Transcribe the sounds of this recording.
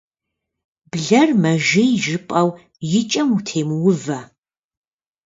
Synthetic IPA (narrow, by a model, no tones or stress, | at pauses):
bɮɐrmɐʒɪjʒɪpʼɐw | jɪt͡ʃʼɐmutʰeːmwʊvɐ